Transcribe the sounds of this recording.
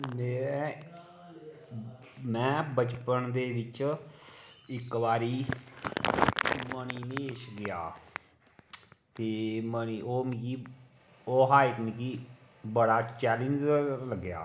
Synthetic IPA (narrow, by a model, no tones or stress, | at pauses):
meːɾɛː | mɛ̃ːbət͡ʃpənd̪eːʋɪt͡ʃ | ɪkbaːɾiː | məniːneːeːʃɡɪjaː | t̪eːməniːoːmkiː | oːɦaːɪt̪mikiː | bəɽaːt͡ʃɛːlənd͡ʒləɡːɪja̰ː